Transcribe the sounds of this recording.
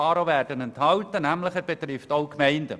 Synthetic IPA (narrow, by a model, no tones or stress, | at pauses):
ɑːɾoʋæːrd̥ənɛnthɑltənæmləχæɾb̥ɛt̪ɾɪftoʊkmɛɪndə̰